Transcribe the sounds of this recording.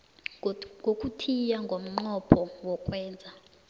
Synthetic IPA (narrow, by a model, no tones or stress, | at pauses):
ŋɡʱokʼutʰijaŋɡʱom̩ŋ͡ǃɔpʰɔwɔkʼwɛːnd͡zʱa